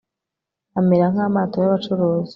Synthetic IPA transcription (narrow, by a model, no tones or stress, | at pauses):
ameɾaŋ̥aːmaːto̞jaβat͡ʃuɾuːzi